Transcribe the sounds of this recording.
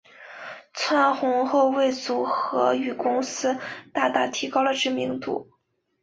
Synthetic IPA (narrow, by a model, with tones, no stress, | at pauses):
t͡sʰwa˥nxʊ˧˥ŋxo˥˧ʊwe˥˩ɪt͡su˨˩xɤ˧˥y˨˩kʊ˥ŋsɹ̩˥t̪a˥˧t̪a˥˩t̪ʰi˧˥kɑ˥ʊlə˨ʈ͡ʂɻ̩˥˩mi˧˥ŋt̪ṵ˨˩˦